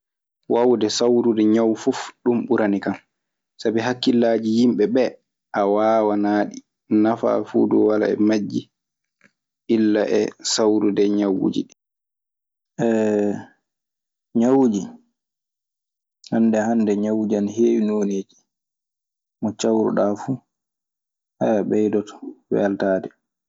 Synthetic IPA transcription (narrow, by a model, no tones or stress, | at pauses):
wawdɛsawɾudɛɲawfufɗumɓuɾʔanikam | sabiɦakːilːaːd͡ʒijimɓɛɓɛ | ʔawaːwanaːɗi | nafa̰fṵːdɔwala̰ɛ̰mad͡ʒːi | ʔilːaʔɛ̰sawɾudɛɲawṵd͡ʒḭɗi | ʔɛ | ɲawud͡ʒi | handɛhandɛɲawd͡ʒanɦeːwinoːneːd͡ʒi̥ | mɔt͡ʃawɾṵɗafuː | haabɛjdɔtɔ̥wɛ̰altaːdɛ